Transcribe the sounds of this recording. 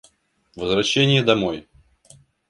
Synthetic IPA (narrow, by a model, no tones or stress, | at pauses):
vəzvɾɐɕːenʲɪjəd̪ɐmoj